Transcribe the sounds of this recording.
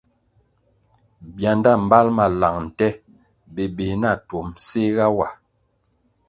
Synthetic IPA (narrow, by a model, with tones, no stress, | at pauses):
bja˨nda˦˨m̩˨ba˦lma˨la˨ŋn̩˨tɛ˦ | be˨be˨na˦˨to˨mse˦ɣa˦wa˨